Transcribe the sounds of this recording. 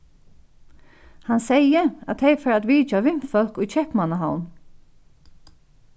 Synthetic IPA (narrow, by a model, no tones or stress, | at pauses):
hansɛjəat̪ʰɛjfɛɾat̪ʋiːt͡ʃaʋɪm̥fœlkʊjt͡ʃʰɛhpmanaɦawn